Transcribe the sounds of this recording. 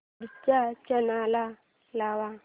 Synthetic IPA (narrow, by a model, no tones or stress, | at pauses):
dit͡ʃat͡ʃɛnala | lawa